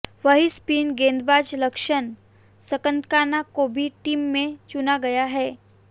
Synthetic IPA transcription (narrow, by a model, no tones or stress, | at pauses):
ʋəɦispiːnɡẽnd̪bad͡ʒləkʃən | səkə̃nt̪kanakobʱiʈiːmːẽt͡ʃunaɡɐjaɦɛː